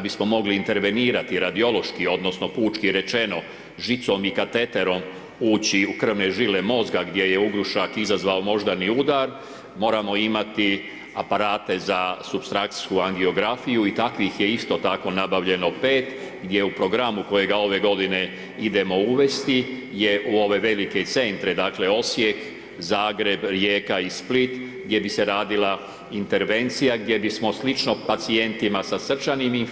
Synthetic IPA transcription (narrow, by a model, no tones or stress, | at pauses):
abismo̞mo̞ɡliːnt̪e̞ɾʋe̞niːɾat̪iɾad̪io̞lˠo̞ʃkio̞d̪no̞sno̞puːt͡ʃkiɾe̞t͡ʃe̞no̞ | ʒit̪so̞mikat̪e̞t̪e̞ɾo̞m | uːt͡ɕiukr̩ʋneʒilemo̞zɡaɡd̪je̞je̞uɡɾuʃakizazʋaomo̞ʒd̪aniud̪aɾ | mo̞ːɾamo̞imat̪i | apaɾaːt̪e̞zasubst̪ɾakt̪skuaŋɡio̞ɡɾafijuit̪akʋixje̞ist̪o̞t̪ako̞nabaʋʎe̞no̞peːt̪ | ɡd̪je̞upɾo̞ɡɾamukojeɡao̞ʋe̞ɡo̞d̪ine̞ | id̪e̞mo̞uʋe̞st̪ije̞ʔuo̞ʋe̞ʋe̞like̞t̪se̞nt̪ɾed̪aːkle̞o̞sje̞k | zaːɡɾe̞bɾjeːkaisplit̪ | ɡd̪je̞bise̞ɾaːd̪ila | int̪e̞ɾʋe̞nt̪sijaɡ̚d̪je̞bismo̞slit͡ʃno̞pat̪sie̞nt̪imasasr̩t͡ʃanimi